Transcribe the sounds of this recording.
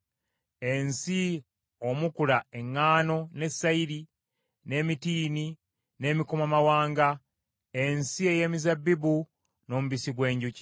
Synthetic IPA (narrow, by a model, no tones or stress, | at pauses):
e̞nsi | o̞mukulae̞ŋːaːno̞ne̞sːaiɾi | ne̞ːmitiːni | ne̞mikomamawaːŋɡa | e̞nsie̞je̞ːmizabːibu | no̞ːmuβisiɡwe̞ːɲɟuci̥